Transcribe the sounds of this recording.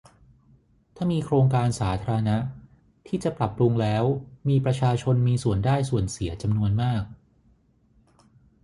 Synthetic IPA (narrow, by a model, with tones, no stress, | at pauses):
t̪ʰaː˥˩miː˧kʰɾoː˧ŋkaː˧nsaː˩˦t̪ʰaː˧ɾa˧na˦˥ | t̪ʰiː˥˩t͡ɕa˨˩pɾa˨˩pːɾu˧ŋlɛː˦˥wmiː˧pɾa˧t͡ɕʰaː˧t͡ɕʰo˧nmiː˧su˨˩əndaː˥˩jsu˨˩ənsi˩˦ɐt͡ɕa˧mnu˧ənmaː˥˩k̚